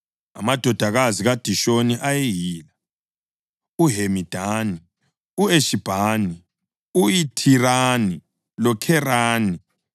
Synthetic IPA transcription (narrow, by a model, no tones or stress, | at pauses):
a̰mad̥ʱɔd̥ʱaɣaziɣad̥ʱiʃoniʔajejiːla | uɦemid̥ʱaːni | ueʃib̥ʱaːni | uitʰirani | lɔkʰɛraːni